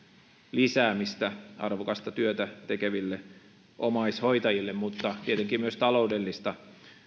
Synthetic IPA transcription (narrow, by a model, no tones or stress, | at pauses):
lisæːmist̪æɑ̰rʋokɑst̪ɑt̪yøt̪æt̪ekeʋilːe | ʔomɑishoit̪ɑjilːemmut̪ːɑt̪iet̪eŋkiːmyøst̪ɑloudelːist̪ɑ